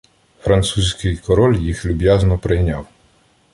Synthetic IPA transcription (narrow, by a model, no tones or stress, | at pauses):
fɾɐnt̪susʲkɪjkɔɾɔlʲjixlʲʊbʲjaznɔpɾɪjnʲaw